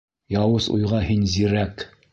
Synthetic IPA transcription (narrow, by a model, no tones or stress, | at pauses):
jɑwɤzṵjʁɑɦinziɾæk